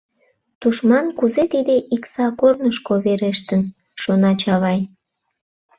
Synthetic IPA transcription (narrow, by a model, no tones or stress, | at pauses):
t̪uʃmɑnkuzet̪id̪eʔiksɑkornəʃkoβeɾeʃt̪ən | ʃonɑt͡ɕɑβɑj